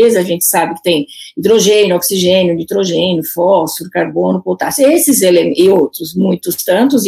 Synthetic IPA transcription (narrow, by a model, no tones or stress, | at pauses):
ezɐʒẽnt͡ʃ̪ɪ̥sabɪkɪ̥t̪ẽj̃ĩd̪ɾoʒẽnjʊɔksiʒẽnjʊnit̪ɾoʒẽnjʊfɔsʊɾʊkaɾbõnʊpowt̪asesɪzelemʔɪowt̪ɾʊzmũj̃t̪ʊst̪ɐ̃nt̪ʊz